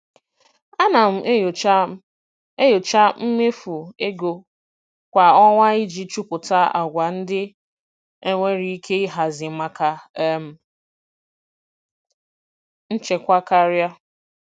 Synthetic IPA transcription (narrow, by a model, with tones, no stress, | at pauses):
a˦na˨m̩˨˦˨ | jo˨t͡ʃa˦m̩˦me˦fu˨e˦ɡo˨ | kʷa˨ɔ˦ŋʷa˦i˦d͡ʒi˨t͡ʃu˦pʊ˨ta˦a̰˨ɡʷa˨n̩˦dɪ˦ | e˦ŋʷe˦ɾi˦i˦kʰe˦i˦ɦa˨zɪ˨˦ma˦ka˨˦m̩˨ | n̩˦t͡ʃe˨kʷa˦ka˦ɾja˦